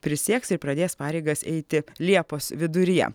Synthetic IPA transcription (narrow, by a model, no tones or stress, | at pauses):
pʲɾʲɪsʲiɛksɪɾpɾɐd̪ʲeːspɑːɾʲɛɪɡɐsɛ̰ɪt̪ʲɪlʲiɛpoːsʋʲɪd̪ʊɾʲɪjɛ̰